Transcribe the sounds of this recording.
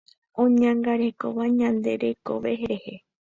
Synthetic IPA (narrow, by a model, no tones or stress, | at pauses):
õɲãŋɡaɾekoʋaɲãnd̪e̞ɾe̞koʋeɦeɾehe̞